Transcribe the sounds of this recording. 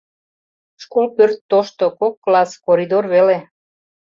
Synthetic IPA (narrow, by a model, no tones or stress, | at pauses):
ʃkolpørt̪ːoʃt̪okokːlɑskoɾid̪orβele